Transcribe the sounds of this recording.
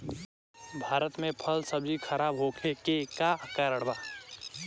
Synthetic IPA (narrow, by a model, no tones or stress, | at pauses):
bʱaːɾət̪mẽpʰəlsɐbd͡ʒixɐɾaːbɦoːkʰekekakaɾəɽbaː